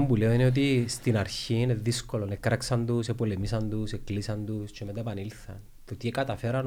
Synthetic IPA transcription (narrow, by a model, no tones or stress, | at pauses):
mbuleoineo̞t̪̬ist̪inɐɾçiine̞ðisko̞lo̞nekɾɐksɐnd̪usepo̞lemisɐnd̪useklisɐnd̪ust͡ʃemet̪ɐepɐnilθɐ̰n | t̪ot̪iekɐt̪ɐfe̞ɾɐn